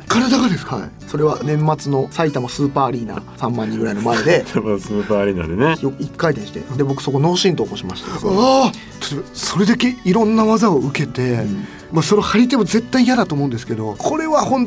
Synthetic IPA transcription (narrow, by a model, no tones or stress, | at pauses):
kaɾad̪akad̪e̞sɨ̥ha̰ḭ | so̞ɾe̞β̞anẽ̞mːat͡sɨno̞sait̪amosɨːpaːɾʲiːna̰ːsãmːãɲ̟ːĩŋɡɯɾainomaed̪e̞masɨːpaːɾʲiːna̰d̪enejokɯikːait̪ẽ̞ɕi̥t̪ḛd̪e̞bo̞kɯ̟so̞ko̞no̞ːɕĩnt̪oːkoɕimaɕi̥t̪a | t̪ʰat̪o̞baso̞ɾe̞d̪ake̞iɾõ̞nːaβazaoɯ̟ke̞t̪e̞ | maso̞ɾohaɾʲit̪e̞mo̞ze̞t̪ːaijad̪at̪oːmo̞ɯ̟̃nd̪esɨ̥ke̞d̪o̞kʰo̞ɾe̞βahõ̞n